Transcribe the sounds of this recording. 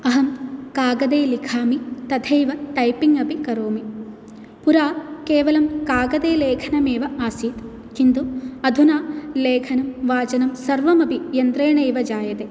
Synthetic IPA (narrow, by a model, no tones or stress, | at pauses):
ɐɦɐmkaːɡɐd̪eːlikʰaːmit̪ɐd̪ʰʱejʋɐt̪ɐjpiŋɐbʱikɐɾoːmi | puɾaːkeːʋɐlɐmkaːɡɐd̪eːleːkʰɐnɐmeːʋɐaːsiːt̪ | kind̪uɐd̪ʱunaːleːkʰɐnɐmʋaːt͡ʃɐnɐmsɐɾʋɐmɐbʱijɐnd̪ɾeːɳɐjʋɐd͡ʒaːjɐt̪e